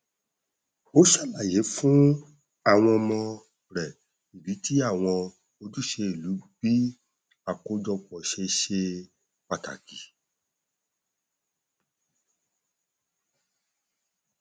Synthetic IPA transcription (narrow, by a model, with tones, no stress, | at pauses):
o˨˦ʃa˦˨la˨je˨˦fũ˦ | a˦˨w̃ɔ̃˧mɔ̃˧ | ɾɛ˨ | i˨bi˨˦ti˦a˦˨w̃ɔ̃˧ | o˧du˦ʃe˧i˨lu˨˦bi˦ | a˨ko˨˦d͡ʒɔ˧k͡pɔ˨ʃe˧ʃe˧ | k͡pa˨ta̰˨ki˨